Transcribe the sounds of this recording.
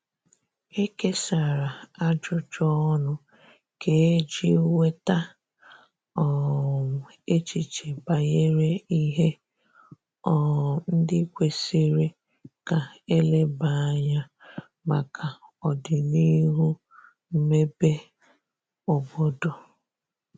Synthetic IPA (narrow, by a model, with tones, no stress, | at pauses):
e˦ke˦sa˨ɾa˨a˦d͡ʒʊ˦t͡ʃɔ˦nʊ˦ | ke˨˦d͡ʒḭ˦we˦ta˦ | ɔ˨ | e˦t͡ʃi˨t͡ʃe˨ba˨je˦ɾe˦i˦ɦe˦ | ɔ˨n̩˦dɪ˦kʷe˨si˦ɾe˦ | ka˨e˦le˦ba˨˦ɲa˦ | ma˨kʰa˨ɔ˨dɪ˨ni˦ɦu˦ | m̩˦me˦be˦ | ɔ˨bo˦dʊ˨